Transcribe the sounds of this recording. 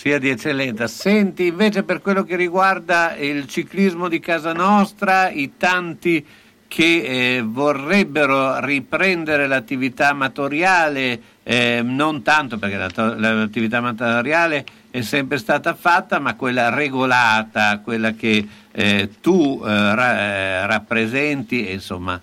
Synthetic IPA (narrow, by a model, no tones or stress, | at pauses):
siad̪iet͡ʃːelːɛnt̪sasɛnt̪iːɱveːt͡ʃeperkwelːokeriɡward̪ailt͡ʃiklizmod̪ikaːzanɔst̪ɾait̪ant̪i | kʰevorːɛbːeɾoripɾɛnd̪eɾelat̪ːivit̪amːat̪oɾjaːle | nont̪ant̪operk̟ela̰t̪olat̪ːivit̪̬amat̪ɾjaːle | ɛsːɛmpɾest̪aːt̪afat̪ːamakːwelːareɡolaːt̪akwelːake | t̪urarapːɾezɛnt̪iḛnso̰mːa̰